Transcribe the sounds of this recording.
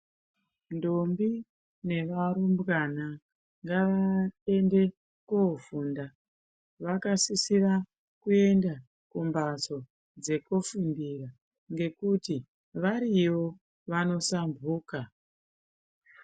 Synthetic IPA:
ndombi | ne̞ʋaɾumbwana | ŋɡaʋate̞nde̞ | kofunda | ʋakasisira | kue̞nda | kumbaso̞ | d͡ze̞kofundira | ŋɡe̞kuti | ʋaɾiwo̞ | ʋano̞sambʱuːka

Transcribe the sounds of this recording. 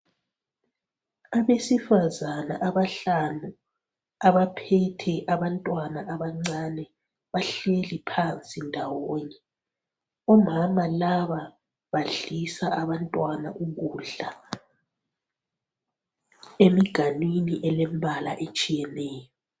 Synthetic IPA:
aβesifazana̰ʔaβaɬanu | aβapʰɛtʰɛʔaβantʼwanaʔaβaŋ͡ǀanɛ | βaɬelipʰant͡sʼindʱawoɲɛ | ɔmamalaβa | βaɮisaʔaβantʼwana̰ʔuɣuːɮa | emiɡ̥ʱanwiniʔɛlɛmbʱala̰ʔet͡ʃʼijɛnɛːjɔ

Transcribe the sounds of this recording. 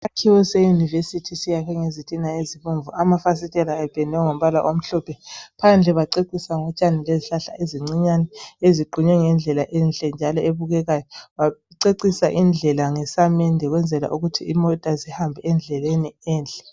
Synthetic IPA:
akʰiwɔsɛjunivesitʰisijakʰɛŋezitʼinaeziβuɱvuʔamafas̬itʼɛlaɛb̥ʱʼɛnʱɛŋom̩βala̰ʔom̩ɬɔpʰɛpʰand͡ɮʱɛβaǀeǀisaŋɔt͡ʃʼanileziɬaɬa̰ʔeziŋ͡ǀiɲanɛeziɡ͡ǃʱuɲɛŋɛnd͡ɮʱɛlaʔɛnɬʼɛnd͡ʒʱalɔeβuɣɛɣajɔβaǀeǀisaʔind͡ɮʱɛlaŋɛsamɛndʱɛɣwɛnd͡zʱɛla̰ʔuɣutʰiimɔtʼazihambʱɛɛnd͡ɮʱɛleniɛːnɬʼɛ̥

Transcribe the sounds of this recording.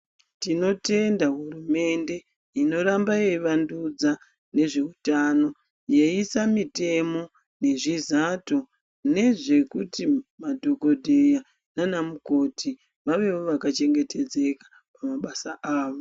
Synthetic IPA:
tino̞te̞ndaɦurume̞nde̞ | ino̞ɾambajeiʋandud͡za | ne̞ʐe̞utano̞ | jeisamite̞mo̞ | ne̞ʐizato | ne̞ʐe̞kutimadʱoko̞dʱeja | nanamuko̞tʰi | ʋaʋe̞woʋakat͡ʃe̞ŋɡe̞te̞d͡ze̞kḁ | pamaɓasaʔaːʋo̞

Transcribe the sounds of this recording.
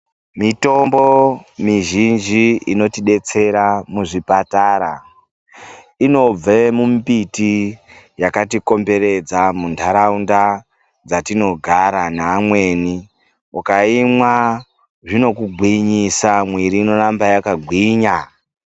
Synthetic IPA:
mito̞mbo̞miʒind͡ʒiino̞tiɗe̞t͡se̞ɾamuʐipataɾa | ino̞b͡vemumpiti | jakatiko̞mbe̞ɾe̞d͡zamundaɾaunda | d͡zatino̞ɡʱaɾanaːmwe̞ni | ukaimwa | ʐino̞kuɡʱwiɲisamwiɾiːno̞rambajakaɡʱwiːɲa

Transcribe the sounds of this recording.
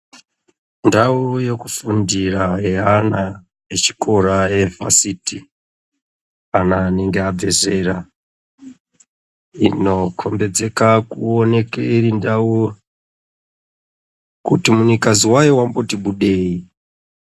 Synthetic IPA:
ndawojekufundiraɦeana | et͡ʃi̥kʰo̞ɾaeva̰siti | anaːneŋɡeab͡ve̞ze̞ɾa | ḭno̞kʰo̞mbe̞d͡ze̞kakuone̞keirindawo | kutimuɲikaziwajiwambo̞tiɓuɗeːi

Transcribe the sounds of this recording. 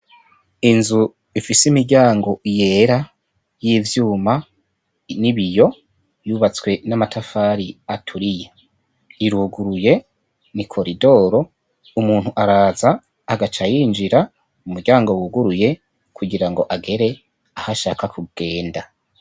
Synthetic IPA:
inzu | ifisimiɾɟaːŋɡo̞ʔije̞ːɾa | jiːvjuːma | niβijo̞ | juβat͡swe̞namatʰafaːɾiatʰuɾije | iɾuɡuɾuje̞ | nikʰo̞ɾido̞ːɾo̞ | umuːn̥huʔaɾaːzaː | ɡat͡ʃajiːnd͡ʒiɾa | umuɾɟaːŋɡo̞wuɡuɾuje̞ | kʰuɡiɾaŋɡo̞ʔaɡe̞ɾe̞ | ahaʃaːkakʰub̚ɡ̥e̞ːnda

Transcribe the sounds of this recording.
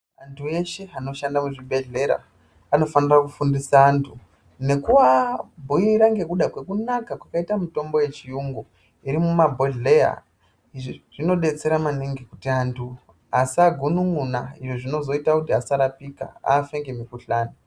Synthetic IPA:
antʰue̞ʃe̞ano̞ʃandamuʐibʱe̞ɮe̞ɾa̰ | ano̞fanirakufundisaːntʰu | ne̞kuʋabʱoiɾaŋɡe̞kuɗakwe̞kunakakwakaitamito̞mbo̞je̞t͡ʃijuŋɡo | iɾimumabʱo̞ɮe̞ja̰ | iʐiʐ̥ino̞ɗe̞t͡se̞ɾamaneŋɡekutiantʰu | asaɡʱunuŋunaiʐoʐino̞zo̞itakutiasaɾapika̰a̰ːfe̞ŋɡe̞mikuɬaːni

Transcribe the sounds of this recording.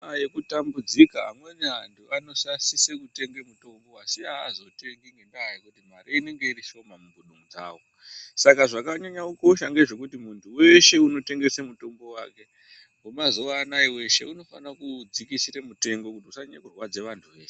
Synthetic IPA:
ajekutambud͡zikaɦa̰mwe̞niɦantʰuano̞sasise̞kute̞ŋɡemuto̞mbo̞asiaːzo̞te̞ŋɡiŋɡe̞ndaɦajikutim̤ariine̞ŋɡe̞iɾiʃo̞mamuɡuɗuŋud͡za̰ːwo̞ | sakaʐakaɲaɲauko̞ʃaŋɡeʐe̞kutimuntʰuwe̞ʃe̞uno̞te̞ŋɡe̞semuto̞mbo̞waːke̞ | umazo̞ʋaːnaiwe̞ʃe̞̰uno̞fa̰nrakud͡zikisiremute̞ŋɡo̞kutiusaɲa̰kurwad͡ze̞ʋantʰuʋe̞ːʃ

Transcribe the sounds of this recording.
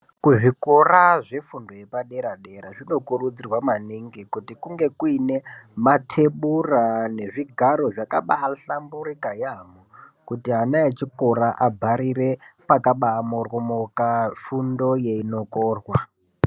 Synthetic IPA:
kuʐikoraʐe̞fundo̞jepaɗe̞ɾaɗeɾaʐino̞kurud͡zirwamaniŋɡikutikuŋɡe̞kuine̞matʰe̞ɓurane̞ʐiɡʱaɾo̞ʐakaɓaɬambuɾikajamokutiɦanaet͡ʃiko̞ɾaʔabʱaɾire̞pakaɓaːmorwomokafundo̞jeino̞koːrwa

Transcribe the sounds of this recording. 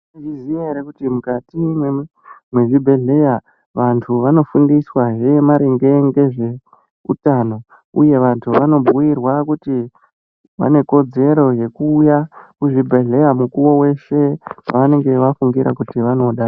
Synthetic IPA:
izieɾekutimukatime | mweʐibʱe̞ɮe̞ja | ʋantʰuʋano̞fundiswaʐe̞maɾeŋɡe̞ŋɡe̞ʐe̞ | ṵtano̞ | uje̞ʋantʰuʋano̞bʱuirwakuti | ʋa̰ne̞ko̞d͡ze̞ɾo̞je̞kuːjakuʐibʱe̞ɮe̞jamukuwo̞we̞ʃe̞aʋane̞ŋɡe̞ʋafuŋɡiɾa̰kutiʋano̞ɗa

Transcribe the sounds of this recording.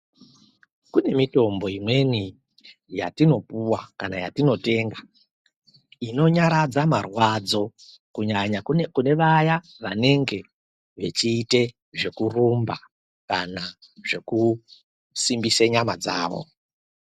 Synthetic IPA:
kune̞mito̞mbo̞imwe̞ni | ja̰tino̞puwakanaja̰tino̞te̞ːŋɡa | ino̞ɲaɾad͡zamarwad͡zo̞ | kuɲaɲakune̞ʋaja | ʋane̞ŋɡe̞ | ʋe̞t͡ʃiːte̞ | ʐe̞kurumba | kana | ʐe̞ku | simbiseɲamad͡za̰ːʋo̞̰

